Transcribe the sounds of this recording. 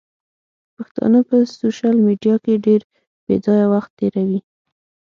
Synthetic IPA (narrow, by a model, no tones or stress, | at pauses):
pəxt̪ɑ̰nəpəsoʃɑlmiɖijɑkeɖeɾ | b̥ḛd͡zɑjawaxt̪ːeɾawi